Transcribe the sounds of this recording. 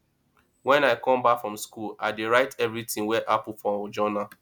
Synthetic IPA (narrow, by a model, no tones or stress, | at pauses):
wɛ̃naɪkɔ̃mbakfɹɔ̃mskulaɪdeɹaɪtɛvɹitĩŋwɛʔapufɔd͡ʒɔna